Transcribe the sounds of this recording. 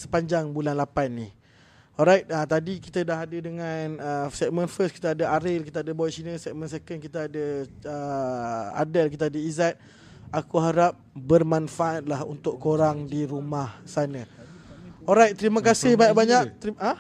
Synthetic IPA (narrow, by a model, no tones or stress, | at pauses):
sə̥paɲd͡ʒaŋbulanlapanːih | ɔlɾajt̪̚at̪adikit̪ədaɦadədəŋanəsɛk̚mə̃nfəski̥t̪əadəʔaɾɪlkit̪aadəbɔsinəsɛk̚mə̃nsekənkit̪əadəə | a̰dəlk̬it̪əadəizat̪̚ | akuɦaɾap̚bərmanfaʔat̪̚lahṵnt̪ʊʔkoɾaŋdiɾumahsanə | ɔlɾajt̪̚t̪ːəɾiməkasɪhbaɲaʔbaɲaʔt̪ia